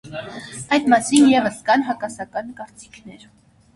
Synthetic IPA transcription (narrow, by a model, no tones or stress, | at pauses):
ɑjd̪mɑsinjɛvəskɑnɦɑkɑsɑkɑnkɑɾt͡si̥kʰnɛɾ